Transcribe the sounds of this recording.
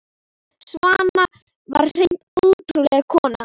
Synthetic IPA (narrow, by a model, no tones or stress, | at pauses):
svaːna | vaɾ̥r̥ejnnt̪ɔlt̪ɾulɛɣkʰɔːna